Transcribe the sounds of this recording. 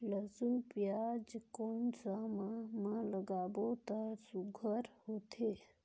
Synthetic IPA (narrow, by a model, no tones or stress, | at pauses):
ləzunpjad͡ʒkonsamamaləɡaːbot̪əsuɡʱəɾhot̪ʰe